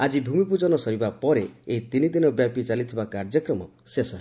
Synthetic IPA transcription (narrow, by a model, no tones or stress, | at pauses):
ad͡ʒibʱumipud͡ʒɔnɔsɔɾibapɔɾeeit̪inid̪inɔbjapit͡ʃalit̪ʰibakaɾd͡ʒjɔkɾɔmɔ | sesɔɦe